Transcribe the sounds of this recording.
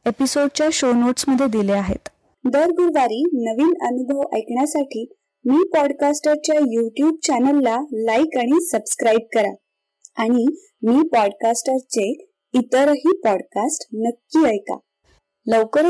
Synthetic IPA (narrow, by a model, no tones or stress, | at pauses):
episoɽt͡ɕjaɕonoʈsməd̪ʱːjed̪ileaɦḛt̪ | d̪əɾɡuɾʋaɾiːnəʋiːnənubʱəʋə̰jkɳjasaʈʰiː | miːpɔɽkasʈəɾt͡ɕjajuʈjuːb̚t͡ɕanəlːalaikaɽ̃isəbskɾaib̚kəɾa | aɽ̃i | miːpɔɽkasʈəɾt͡se | it̪əɾɦiːpɔɽkasʈnəkːiːəjka̰ | ləʋkəɾ